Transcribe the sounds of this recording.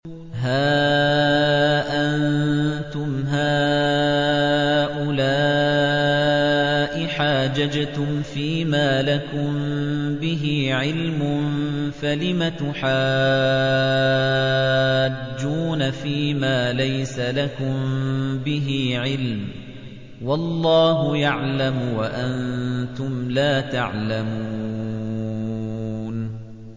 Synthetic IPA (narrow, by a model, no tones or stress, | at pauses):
ɦaː | ʔannt̪ʊmɦaː | ʔʊlaː | ʔɪħaːd͡ʒad͡ʒt̪ʊmfiːmaːlakʊmbɪɦɪʕɪlmʊnfalɪmat̪ʊħaː | d͡ʒd͡ʒːuːnafiːmaːlajsalakʊmmbɪɦɪʕɪlm | wɑlˤːɑːɦʊjaʕlamwaʔannt̪ʊmlaːt̪aʕlamuuː | n